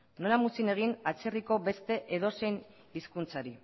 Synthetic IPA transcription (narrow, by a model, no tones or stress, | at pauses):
no̞lamusine̞ɣ̞inat͡seriko̞be̞st̪e̞ʔeðo̞se̞jn | iskunt͡saɾi